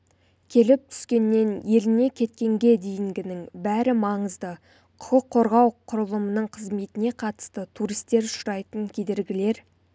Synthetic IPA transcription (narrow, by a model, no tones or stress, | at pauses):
kʲʰe̞lɪp̚t̪ʰʏ̥skʲe̞nːe̞nje̞lɪne̞kʲʰe̞t̪̚kʲe̞ŋɡʲe̞d̪e̞jɪŋɡʲɪnɪŋbæɾɪmɑɴəzd̪ə | qʰʊ̥əqʰːo̞ɾʁɑwqʰʊɾəlˠəmənəɴqʰəzme̞t̪ɪne̞qʰɑt̪ə̥st̪ət̪ʰuɾijst̪e̞ɾʊʃʊɾɑjt̪əŋkʲʰe̞d̪e̞ɾɡʲɪle̞ɾ